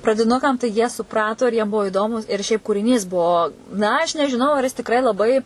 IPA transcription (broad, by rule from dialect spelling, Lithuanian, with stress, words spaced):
prɐdʲɪˈnʊkɐm tɐɪ ˈjiɛ sʊˈprɑːtoː ɪr jiɛm ˈbuɔ ɪˈdoːmʊ ɪr ʃʲɛɪp kuːrʲɪˈnʲiːs ˈbuɔ ˈnɐ ɐʃ nʲɛʒʲɪˈnɐʊ ɐr jɪs tʲɪˈkrɐɪ lˠɐˈbɐɪ